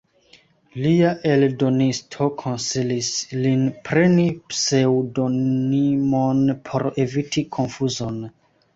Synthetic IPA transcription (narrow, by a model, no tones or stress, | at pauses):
liaʔe̞ldo̞nistʰo̞kʰo̞nsilislinpɾe̞nipse̞wdo̞nimonpʰo̞ɾe̞vitʰikʰo̞nfuzo̞n